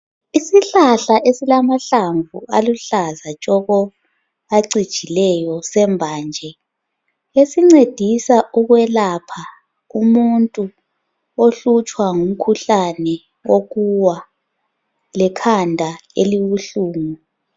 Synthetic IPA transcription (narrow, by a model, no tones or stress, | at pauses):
isiɬaɬaʔesilamaɬaɱvṵʔaluɬazat͡ʃʼɔɣɔ | aǀid̥ʒ̥ʱilɛjɔsɛmbʱaːnd͡ʒʱɛ | esiŋ͡ǀed̥ʱisaʔuɣwɛlapʰa | umuntʼu | oɬut͡ʃʼwaŋum̩kʰuɬanɛ | oɣuwa | lɛkʰandʱaḛliβuɬuːmu